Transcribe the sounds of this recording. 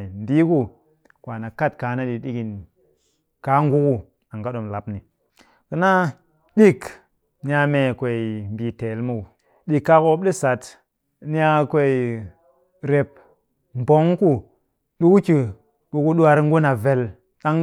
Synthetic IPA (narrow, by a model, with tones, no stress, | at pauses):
m˨bi˦ku˦ | kwa˨na˨ka˦˨tka˨˦na˦ɗi˨ɗi˦ki˨n | ka˦ŋ˦ɡu˦ku˦ | a˨ŋɡa˦ɗo˨mla˨pni˨ | kə˦na˦ | di˦k | ni˦a˧me˨kʷe˨i˨m˨bi˨te˨lmu˦u˨ | ɗi˨kːa˦ko˦b̚ɗi˦sa˨t | ni˦a˦ke˨i˨ | ɾe˨p̚ | m˨bo˦ŋku˦ | ɗu˦ku˦ki˨ | ɓu˨ku˦ɗu˦a˨ɾŋ˦ɡu˦na˨ve˨l | ɗa˦ŋ